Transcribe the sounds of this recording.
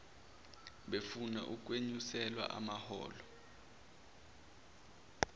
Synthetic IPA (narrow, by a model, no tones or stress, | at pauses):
ɓefuna̰ʔuk̬ʼweɲusɛlwa̰ʔa̰mahɔ̰ːlɔ